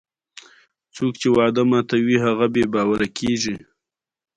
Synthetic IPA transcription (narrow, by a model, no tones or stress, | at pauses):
t͡sokt͡ʃewɑd̪əmɑt̪awiɦaɣabebɑwaɾakʰeʒi